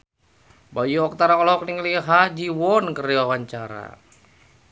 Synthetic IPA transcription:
bajuɔk̚t̪aɾaɔlɔk̚niŋliɦad͡ʒiwɔnkəɾiawaɲt͡ʃaɾa̰

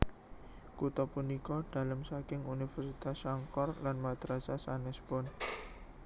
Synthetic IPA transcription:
kut̪ɔpunikɔɖ̥a̤lamsakɪŋunifɛrsit̪asaŋkɔrlanmad̪̥ɾasasanɛsbɔn

